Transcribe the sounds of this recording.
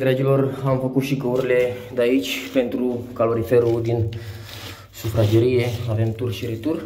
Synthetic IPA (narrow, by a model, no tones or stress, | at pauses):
d̪ɾed͡ʒiloramfəkut̪ʃikəuɾiled̪ait͡ʃpent̪ɾukaloɾifeɾud̪in | sufɾad͡ʒeɾieavemt̪urʃiɾit̪ur